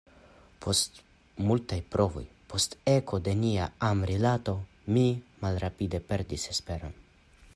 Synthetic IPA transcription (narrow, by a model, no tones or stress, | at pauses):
pʰo̞st̪ | multajpɾʔo̞vo̞̰j | pʰo̞st̪ekʰo̞d̪e̞nia̰amɾilat̪o̞ | mimalɾapid̪e̞pe̞ɾd̪isespe̞ɾo̞n